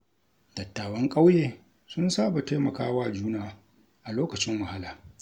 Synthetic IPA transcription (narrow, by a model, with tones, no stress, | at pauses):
d̥ɐ˨tːaː˨wɐ˦ŋkʼa˦wjeː˨ | sʊ˦nsaː˦˨ba˨ta˦mɐ˨kaː˦waː˦d͡ʒuː˦naː˨ | ʔa˨loː˦kɐ˨t͡ʃɪ˦mwɐ˨ha˦laː˨